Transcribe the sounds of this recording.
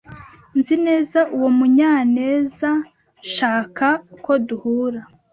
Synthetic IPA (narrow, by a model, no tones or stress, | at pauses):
nzine̞ːzaʔuwo̞muɲaːne̞ːza | ʃaːkako̞duhuːɾa